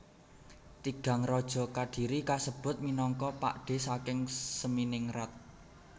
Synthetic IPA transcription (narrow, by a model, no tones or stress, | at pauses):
t̪iɡ̥ä̤ŋrɔd̥ʒ̥ɔ̤kaɖ̥i̤ɾikasəb̥ʊ̤t̪̚minɔŋkɔpa̰ʔɖ̥e̤sakɪŋsəminɪŋrat̪̚